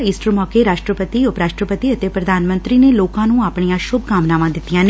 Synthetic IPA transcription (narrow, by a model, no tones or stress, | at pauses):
iːsʈəɾmɔːkeːɾaːʃʈɾəpət̪iːʊpɾaːʃʈɾəpət̪iət̪eːpɾəd̪ʱaːnmə̃nt̪ɾiːneːloːkãːnũːaːpɳ̃ijãːʃʊbkaːmnaːmãːd̪ɪt̪ːijãːn